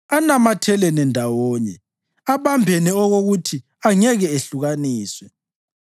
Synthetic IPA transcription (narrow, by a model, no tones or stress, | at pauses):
anamatʰɛlɛnɛndʱawɔːɲɛ | aβambʱɛnɛɔɣoɣutʰi | aŋɛɣɛeɬuɣaniːswɛ